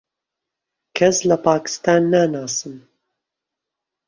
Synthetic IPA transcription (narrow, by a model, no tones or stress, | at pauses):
kʰɐslɐpʰaːkɨ̥st̪aːnːaːnaːsɨm